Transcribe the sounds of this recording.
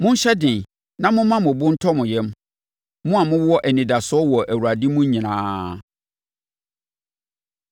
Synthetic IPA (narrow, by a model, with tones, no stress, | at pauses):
mʊ̃˦n̩˦ɕɛ˦dɪ̃˨n | nã˦mʊ̃˦mã˦mʊ̃˨bʊ̃˦n̩˦tʰɔ˦mʊ̃˨jɛ̃˦m | mʊ̃˦a˨mʊ̃˦wwɔ˦ʔæ˨nĩ˨da˨sʊ˦ɔ˦wɔ˨ʔæ˨wu˨ɾa˨dɪ˦mʊ̃˦ɲĩ˨nã̰ː˦